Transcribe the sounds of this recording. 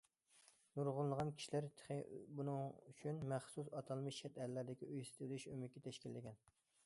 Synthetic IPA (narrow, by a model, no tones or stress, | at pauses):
nuɾʁʊlˠːəʁɑnkʲʰi̥ʃilæɾt̪ʰχebunɨŋyt͡ʃʰynmæχsusɑt̪ʰɑlˠmɨʃɛt̪ællːæɾd̪ɪkʲiʔøjsɪ̥t̪lyʃømykʲʰːɛt̪ʰɛʃkʲilːɪɡʲɛn